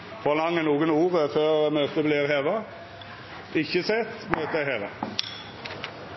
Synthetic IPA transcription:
fɔʁlɑŋːənuːɡənuːʁəføːʁmøːt̪əbliːʁheːʋɑ | ʔɪçːəsɛt̪ːmøːt̪əæheːʋɑ

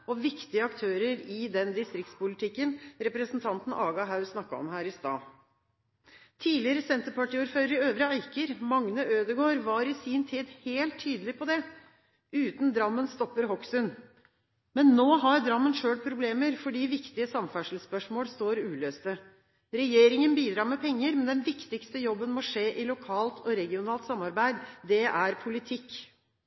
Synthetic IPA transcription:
ɔʋɪkt̪ɪəɑkt̪ʰøːɾəɾɪd̪ɛnd̪ɪst̪ɾɪkt̪spʊlɪt̪ʰɪkːənɾɛpɾəsn̩t̪ʰɑnt̪n̩ʔɑːɡɑɦɑʉsnɑkːɑɔ̰mɦæːɾɪst̪ɑ̰ː | t̪ʰiːlɪəɾəsɛnt̪əpɑʈiːʊɾføːɾəɾøːʋɾəæɪkəɾmɑŋnəʔøːd̪əɡoːɾʋɑɾɪsɪnt̪ʰiːd̪heːlt̪ʰːyːd̪əlɪpʰɔd̪ɛ | ʉːt̪nd̪ɾɑmːənst̪ɔpːəɾɦɔksʉn | mɛnːoːɦɑɾd̪ɾɑmːənʂøːɽpʰɾʊbleːməɾfɔɖiːʋɪkt̪ɪəsɑmfæʂl̩spœʂmoːlst̪oːɾʉːløːst̪ə | ɾɛjeːɾɪŋənbiːd̪ɾɑːɾmɛpʰɛŋːəɾmɛnd̪ɛnʋɪkt̪ɪkst̪əjɔbːənmɔʂeːʔɪlʊkʰɑːlt̪ʰɔɾɛɡɪʊnɑːlt̪sɑmːɑɾbæɪd̪d̪ɛʔæɾpʰʊlɪt̪ʰɪkː

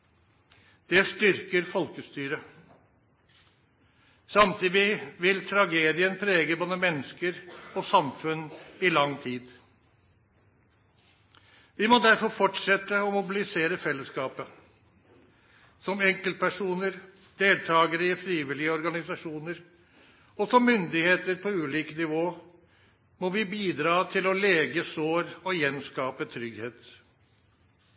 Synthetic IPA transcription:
d̪̥ɛst̪ʏɾkəɾfɔlkəst̪yːɾə | sɑmt̪ʰiːd̪ɪʋɪlt̪ʰɾɑɡeːd̪ɪənpʰɾeːɡəboːd̪əmɛnːəskəɾɔsɑmfʉnːɪlɑŋːt̪ʰiːd̪ | ʋɪmɔd̪æɾfɔɾfɔʈʂɛt̪ːəɔmʊbɪlɪseːɾəfɛlːəskɑːpə | sɔmɛŋkəlt̪̚pʰæʂuːnəɾ | d̪̥eːlt̪ʰɑːɡəɾɪəfɾiːʋɪlɪəɔɾɡɑnɪsɑʂuːnəɾ | ɔsɔmːʏnd̪ɪheːt̪əɾpʰɔʉːliːkənɪʋoː | mɔʋɪbiːd̪ɾɑːt̪ʰɪlɔleːɡəsoːɾɔjɛnskɑːpət̪ʰɾʏɡheːt̪

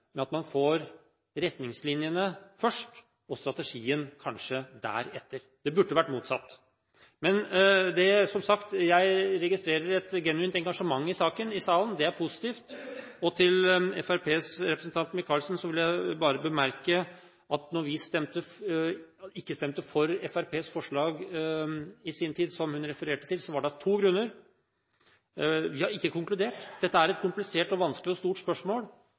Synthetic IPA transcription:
mɛɑt̪mɑnfoːɾ | ɾɛt̪nɪŋslɪnjənəfœʂʈ | ɔst̪ɾɑt̪ɛʂiːənkʰɑnʂəd̪æ̰ːɾɛt̪ːəɾd̪̥ɛbʉɖːəʋæʈːmuːt̪sɑ̰t̪ː | mɛnd̪ɛsɔmsɑkt̪jæɪɾɛɡɪst̪ɾeːɾəɾɛt̪ɡɛnʉiːnt̪ɛŋɡɑʂəmɑŋːɪsɑːkənɪsɑːlənd̪ɛæɾpʰʊsɪ̥t̪iːft̪ɔt̪ʰɪlɛfæɾpʰeːsɾɛpɾəsn̩t̪ʰɑnt̪mɪkʰɑːlsnsɔʋɪljæɪbɑːɾəbəmæɾkə | ɑt̪nɔɾʋɪst̪ɛmt̪ə | ɪkːəst̪ɛmt̪əfɔɾɛfæɾpʰeːsfɔʂɭɑːɡ | ɪsiːnt̪ʰiːd̪sɔmhʉnɾɛfəɾeːʈə̥t̪ʰɪlsɔʋɑɖɑt̪ʰuːɡɾʉnːəɾ | ʋɪhɑɾɪkːəkʊŋklʉd̪eːʈd̪ɛt̪ːəæɾɛt̪̚kʰʊmplɪseːʈɔʋɑnsklɪɔst̪uːʈspœʂmoːl

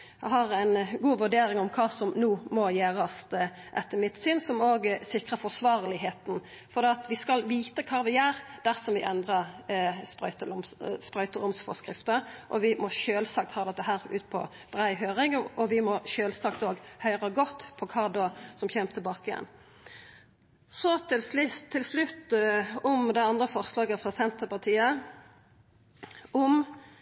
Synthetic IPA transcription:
ɑhɑɾæɪnɡuːʋʉɖeːɾɪŋɔmkʰɑːsɔmnuːmɔjeːʁɑst̪ | ʔɛt̪ːəmɪt̪syːnsɔmoːɡsɪkʁəfɔsʋɑːʁlɪɦeːt̪n̩ | fɔd̪ɛːɑt̪ʋɪskɑlʋiːt̪əkʰɑːʋɪæʁd̪̥æʁsɔmʋɪʔɛnd̪ʁɑspʁœ̰ʏt̪əʊmspɾœʏt̪əɾʊmsfɔ̰skʁɪft̪əʔɔʋɪmɔʃøːlsɑkt̪hɑːd̪ɛt̪ːəɦæːʁʉ̰ːt̪pʰɔ̰ | b̥ʁæɪɦøːʁɪŋɔʋɪmɔʃøːlsɑk̚t̪oːɡhœʏʁəɡɔt̪ːpʰɔkʰɑːd̪oːsɔmçɛmt̪ʰːɛlbɑːkɪjɛ̰n | sɔt̪ɪlt̪ʰːɪlslʉt̪ːɔmd̪ɛɪɑnd̪ʁəfɔʁslɑːɡəfʁɑsɛnt̪əpɑʁt̪ʰiːə | ɔm

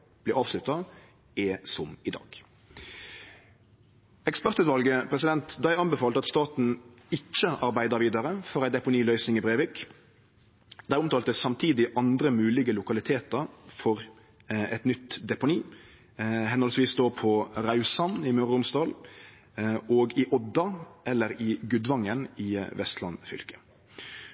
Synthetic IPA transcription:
b̥lɪːɑːʋslʉt̪ɑ | ɛsɔmɪd̪ɑ̰ːɡ̥ | ɛkspæʁt̪ʉːt̪ʋɑlɡəpʰʁɛsɪd̪ɛnt̪d̪æɪɑnbɛfɑːlt̪ɑt̪st̪ɑːt̪n̩ | ɪt͡ʃːəɑɾbæɪd̪əɾʋiːd̪ɑɾəfɔʁæɪd̪ɛpʊniːlœʏsnɪŋɪbʁeːʋɪk | d̪̥æɪʊmt̪ɑːlt̪əsɑmt̪ʰiːd̪ɪʔɑnd̪ɾəmʉːlɪɡəlʊkɑlɪt̪ʰeːt̪əɾfɔɾ | ɛ̰t̪nʏt̪d̪ɛpʊniː | hɛnɔlsʋiːsd̪oːpʰɔɾɑʉsɑnɪmøʁʊmst̪ɑːl | oːɡɪʔɔd̪ːɑʔɛlːəɾɪɡʉd̪ʋɑŋːənɪʋɛst̪lɑ̰nfʏ̰lkə̥

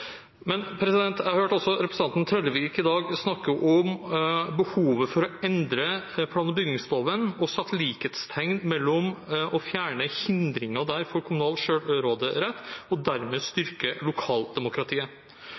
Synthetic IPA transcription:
mɛnpʰɾɛsɪd̪ɛnt̪æɾhøːʈɔlsɔɾɛpɾəsn̩ɑnnt̪ʰɾɛd̪əʋikɪd̪ɑːɡsnɑkːəʔɔmbəhuːʋəfɔɾɔɛnd̪ɾəpʰlɑːnbʏɡnɪŋst̪oːʋənɔsɑt̪ʰːliːket̪st̪ʰɛŋnmɛlːɔmʔɔfjæːɳəhɪnd̪ɾɪŋɑd̪æɾfɔɾkʰʊmʊnɑːlʃøːɾoːd̪əɾɛt̪ːɔd̪æɾmeːst̪ʏɾkəlʊkʰɑːld̪ɛmʊkɾɑt̪ʰiːə

